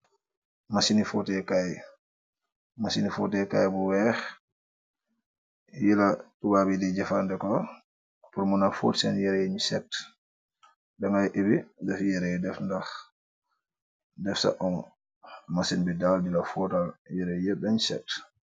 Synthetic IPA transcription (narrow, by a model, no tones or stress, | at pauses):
masinifɔtɛkaj | masinifɔtɛkajbɔwɛx | jilatubabidid͡ʒɛfandɛkɔ | puɾmunafo̰tsɛnjɛɾɛjɲsɛt | ɗɛŋajʔebidɛfjɛɾɛdɛfndax | dɛfsa̰ʔɔn | masinbɛdaldilafɔtaljɛɾɛjɛɓɛɲsɛ̰t